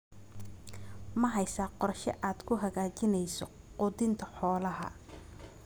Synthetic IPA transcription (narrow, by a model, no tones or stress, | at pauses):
mɐɦɐjsaːqɔrʃɛʔaːd̪kʰʊɦɐɣaːt͡ʃɪnɛjsɔ | qʊd̪ɪnt̪ʰɐħɔːlɐɦɐ̰